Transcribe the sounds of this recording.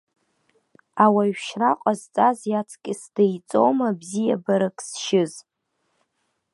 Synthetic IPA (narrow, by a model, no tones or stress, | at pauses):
awaɥᶣʃraqʷʼazt͡sʼazjat͡sʰkʲʼɪsdejt͡sʼo̰wmabzijabaɾakʰʼsʃɪz